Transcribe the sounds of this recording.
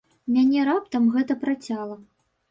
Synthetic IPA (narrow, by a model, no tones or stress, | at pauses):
mʲanʲɛɾap̚t̪ɐmɣɛt̪ɐpɾat͡sʲalˠɐ